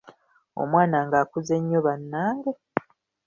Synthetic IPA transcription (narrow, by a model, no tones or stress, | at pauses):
o̰mwaːnaŋɡaːkuze̞ɲːoβanːaːŋɡe